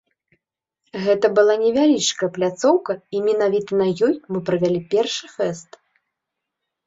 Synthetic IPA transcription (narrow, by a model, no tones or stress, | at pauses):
ɣɛt̪ɐbɨlˠanʲɛvʲalʲit͡ʂkɐjɛplʲat̪sɔwkɐimʲɛnavʲit̪ɐnɐjɔjmɨpɾɐvʲalʲipʲɛrʂɨfɛst̪